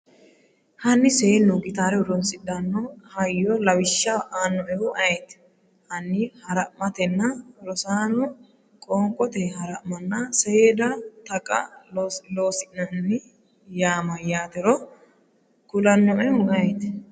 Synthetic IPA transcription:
hɐnːɪseːnːuɡɪt̪aːɾɛwʊɾɔnsʼɪd̪anːɔhɐjːɔlɐwɪʃːɐʔaːnːɔʔɛʊʔɐɛt̪ | hɐnːɪhɐɾɐmɐt̪ɛnːɐɾɔsaːnɔ | kʼoːŋkʼɔt̪ɛhɐɾɐʔmɐnːɐsɛeːd̪ɐt̪ɐkʼɐ̰loːsɪnɐnːɪ | jaːmɐjaːt̪ɛɾɔ | kʊlɐnːɔʔɛwʊɡɐjɛt̪

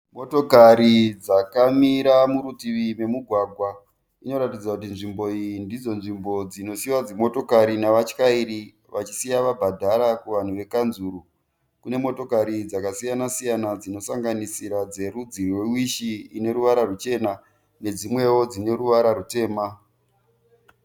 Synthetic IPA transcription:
mo̞to̞kaɾid͡zakamiɾamuɾutiʋime̞muɡʱwaːɡʱwa | ino̞ɾatid͡zakut̬inʐimbo̞ijindid͡zo̞nʐimbo̞d͡zino̞siwad͡zemo̞to̞kaɾinaʋat͡ʃkaiɾi | ʋat͡ʃisijaʋabʱadʱaɾakuʋan̤uʋe̞kanzuɾu | kune̞mo̞to̞kaɾid͡zakasijanasijanad͡zino̞saŋɡanisiɾad͡ze̞ɾud͡zirwewiʃiine̞ɾuʋaɾarut͡ʃe̞na | ne̞d͡zimwe̞wo̞d͡zine̞ɾuʋaɾarute̞ːma

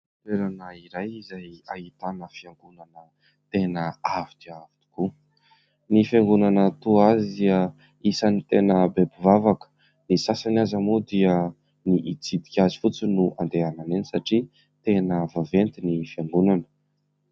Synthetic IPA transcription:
at̪eɾanəiɾajizajaɦit̪anəfiaŋɡunanə | t̪enəavit̪iavi̥t̪i̥ku | nifiaŋɡunanət̪uazid̪iə | isanit̪enəbebivavakə̥ | nisasanazamud̪iə | niʔit͡sid̪i̥kʲazi̥fut͡sinuʔa̰nd̪eananenisaʈ͡ʂi | t̪enəvavent̪inifiaŋɡunanə̥

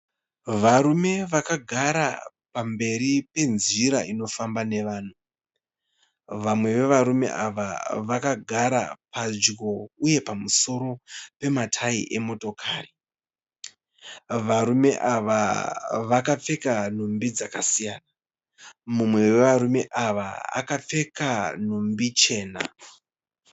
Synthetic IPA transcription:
ʋaɾume̞ʋakaɡʱaɾa̰ | pambe̞ɾipe̞nziɾaino̞fambane̞ʋaːn̤u | ʋamwe̞ʋe̞ʋaɾume̞̰ʔaʋa̰ʋakaɡʱaɾa̰pazd͡ʒɡo̞uje̞pamuso̞ɾo̞pe̞matʰaiʔe̞mo̞to̞kʰaːri | ʋaɾume̞ʔaʋaʋakap͡fe̞kan̤umbid͡zakasijaːna | mumwe̞we̞ʋaɾume̞ʔaʋaa̰kap͡fe̞kan̤umbit͡ʃe̞ːna̰

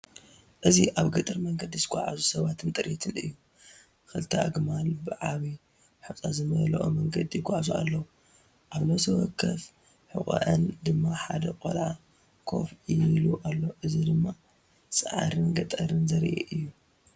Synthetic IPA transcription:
ʔɨziʔaβɡɐt̪ʼɨɾmɐŋɡɐd̪izɨkʷʼaʕa̰zusɐβat̪ʰɨnt̪ʼɨɾit̪ʰɨnɨjːu | kɨlɨt̪ʰɐʔa̰ɡmalbɨʕaβi | ħut͡sʼazɨmɐlɐʔo̰mɐŋɡɐd̪ijɡʷʼaʕazua̰lːɐwu | ʔaβnɐsʰɐwɔkʰːɐf | ħɨkʼɐ̰ʕɨnd̪ɨmːaħad̪ɐkʼo̰lʕa | kʰo̞̰filuʔalːoʔɨzid̪ɨmːa | sʼɨʕaɾɨnɡɐt̪ʼɐɾɨnzɐɾʔḛʔɨjːu

